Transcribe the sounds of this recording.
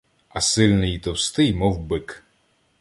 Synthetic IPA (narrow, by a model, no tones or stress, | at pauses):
ɐsɪlʲnɪjit̪ɔwst̪ɪjmɔwbɪk